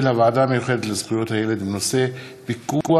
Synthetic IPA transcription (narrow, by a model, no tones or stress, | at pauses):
lavaːdamejuχe̞d̪et̪lez̥χujo̞t̪haje̞le̞d̪imno̞se̞ | bikuu